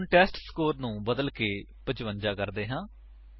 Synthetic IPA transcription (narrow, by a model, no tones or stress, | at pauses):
ɳʈɛːsʈskoːɾnũːbəd̪əlkeː | pəd͡ʒʋəɲd͡ʒaːkəɾd̪eːɦãː